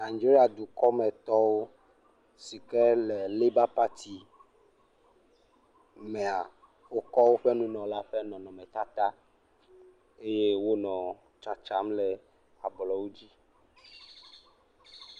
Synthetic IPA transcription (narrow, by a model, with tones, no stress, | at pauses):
a˨d͡ʒe˦ɾi˦a˨d̪u˨kɔ˦mɛ̃˨t̪ɔ˦wo˦ | si˨kɛ˦lɛ˨le˦ba˦pa˦t̪ʰi˨ | mẽ˨a˨ | wo˦kɔ˦wo˦ɸɛ˦nũ˦nɔ̃˨la˦ɸɛ˦nɔ̃˨nɔ̃˨mɛ̃˨t̪a˦t̪a˦ | e˦je˦wo˦nɔ̃˨ | t͡ʃa˨t͡ʃa˨˦mlɛ˨ | a˨blɔ˨wo˦d͡ʑi˦